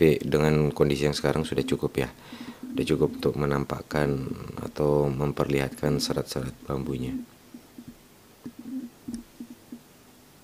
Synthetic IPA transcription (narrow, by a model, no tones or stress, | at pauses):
idəŋankondisijaŋsə̥kaɾaŋsudaht͡ʃukʊpja | sudaht͡ʃukʊp̚unt̪ʊk̚mənampa̰kana̰t̪awməmpərliɦat̪̚kansəɾat̪̚səɾat̪̚bambuɲa